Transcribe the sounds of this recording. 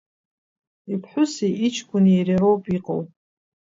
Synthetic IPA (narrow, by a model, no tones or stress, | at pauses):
ipʰħʷʊsiit͡ʃʰkʷʼʊnerirowpʼiqʼo̰w